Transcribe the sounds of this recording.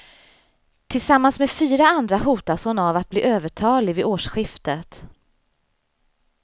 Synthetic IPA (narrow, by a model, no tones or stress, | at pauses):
t̪ʰɪlsamːansmeːd̪fyːɾaand̪ɾaɦuːt̪asɔnavat̪̚blḭːʔøːvəʈʰɑːlɪvɪʔoːʂɧɪft̪ət̪